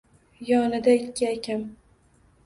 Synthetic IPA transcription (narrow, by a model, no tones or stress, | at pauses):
jɒnɪd̪aɪkʲːɪakʲʰam